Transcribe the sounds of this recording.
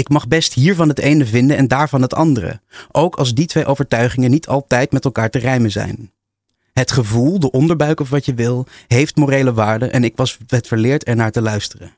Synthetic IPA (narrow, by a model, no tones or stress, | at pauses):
ɪkmɑχbɛstɦiːɹvɑnɦətejnəvɪndənɛndaːɹvɑnɦətɑ̰ndərə̰ʔowkʰɑlˠz̬ditʋejʔowvəɹtœɥχɪŋənitʰɑlˠtɛjtmɛtɛlˠkaːɹtərɛjməzɛ̰jn | ɦətχəvulˠdəʔɔndəɹbœɥkɔfʋɑtjəʋɪlˠɦejftmorejləʋaːɹdənʔɛnɪkʋɑsɛtfəɹlɪːɹtɛɹnaːɹtəlœɥstərə̰